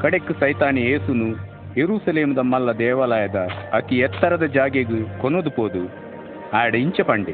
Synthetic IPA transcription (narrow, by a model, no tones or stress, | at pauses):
kɐɽekːusɐjt̪aːnije̞ːsunu | jeɾuːsɐleːmud̪ɐmːɐlːɐd̪ɛːʋɐlɐːjɐd̪ɐːt̪iɛt̪ːɐɾɐd̪ɐd͡ʒaːɡeɡukonod̪upoːd̪u | aːjɐɽɐiɲt͡ʃɐpɐɳɖi